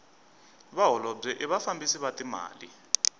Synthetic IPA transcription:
βaɦɔlɔb͡ʐɛʔɛβafambʱisiβatʼima̰ːlḭ

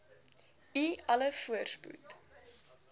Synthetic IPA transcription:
iɐləfuərspṵt

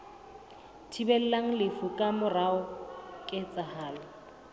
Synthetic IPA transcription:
tʰibɛl̩laŋ̩lɪfukʼamʊraʊkʼɪt͡sʼahaːla

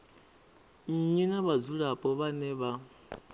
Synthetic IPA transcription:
ɲinaβad͡zuɺapʼɔβanɛβa

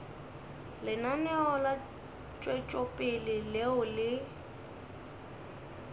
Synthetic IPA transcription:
lɪnanɛɔla | t͡ʃʼwɛt͡ʃʼɔpʼɪlɪleʊlɪ

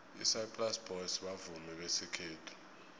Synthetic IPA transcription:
ḭsajpʼlasb̥ʱɔjsɓavumɛɓesikʰeːtʰu̥

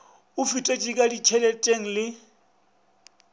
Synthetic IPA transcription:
ʊfitʼet͡ʃʼikʼadit͡ʃʰɛlɛtʼeŋ̩lɪ

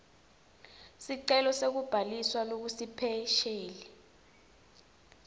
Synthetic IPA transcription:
siǀɛlɔsek̬ub̥ʱaliswalok̬usipʰɛʃeːlɛ

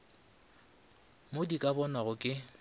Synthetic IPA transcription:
modikʼabɔnaɣʊkʼɪ

